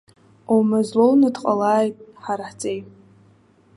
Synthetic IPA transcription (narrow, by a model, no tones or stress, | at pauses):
owmazlownɨdqʼalaːjtʼħaɾaħt͡sʼej